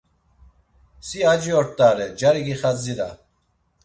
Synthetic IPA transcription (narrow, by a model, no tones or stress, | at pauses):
siad͡ʒiɔɾt̪ʼaːɾɛd͡ʒaɾiɡiχad͡ziɾa̰